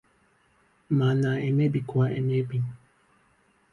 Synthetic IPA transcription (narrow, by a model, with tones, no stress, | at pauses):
ma˨na˨e˨me˦bi˨kʷa˦ʔe˨me˦bi˦